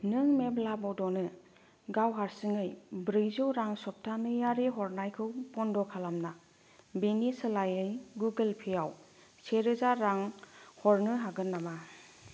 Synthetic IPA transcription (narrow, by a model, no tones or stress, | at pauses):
nɯŋmeblabɔdɔnɯ | ɡawɦaɾsɯŋɯjbɾɯjzɯwɾaŋsɔp̚tʰanɯjaɾiɦɔɾnajkʰɯwpɔndɔkʰalamna | benisɯlajɯjɡuɡelpʰijaw | seɾɯzaɾaŋhɔɾnɯɦaɡɯnːama